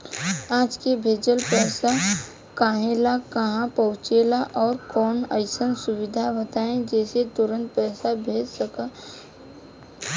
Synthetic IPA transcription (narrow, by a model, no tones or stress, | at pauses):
aːd͡ʒkebʱeːd͡ʒəlpɛːsa | kaːɦelakəɦãpəɦʊt͡ʃeːlaʔɔːɾkɔːnə̰ɪsənsʊwɪd̪ʱabət̪aːẽd͡ʒɛːset̪ʊɾə̃nt̪̚pɛːsabʱeːd͡ʒsəkaː